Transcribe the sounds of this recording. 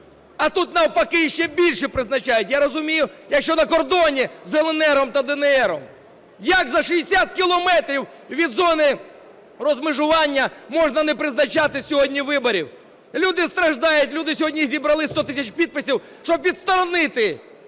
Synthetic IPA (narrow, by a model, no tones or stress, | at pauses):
ɐt̪ut̪nɐwpɐkɪʃt͡ʃɛbʲilʲʃɛpɾɪznɐt͡ʃɑjʊtʲjaɾɔzʊmʲijʊjɐkʃt͡ʃɔnɐkɔrd̪ɔnʲizelˠenɛɾɔmt̪ɐd̪enɛɛɾɔm | jɐkzɐʃijesʲat̪̚kʲɪlˠɔmɛt̪ɾʲiw | ʋʲid̪zɔnɪ | rɔzmɪʒʊʋɑnʲːɐmɔʐnɐnɛpɾɪznɐt͡ʃɑt̪ɪsʲɔɦɔdʲnʲiʋɪbɔɾʲiw | lʲud̪ɪst̪ɾɐʒd̪ɑjʊtʲlʲud̪ɪsʲɔɦɔdʲnʲizʲibɾɐlˠɪst̪ɔt̪ɪsʲɐt͡ʃpʲid̪̚pɪsʲiw | ʃt͡ʃɔb̚pʲit̪st̪ɔɾɔnɪt̪ɪ